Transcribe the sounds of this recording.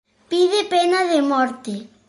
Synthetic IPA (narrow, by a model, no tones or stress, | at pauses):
piðepenaðemɔɾt̪e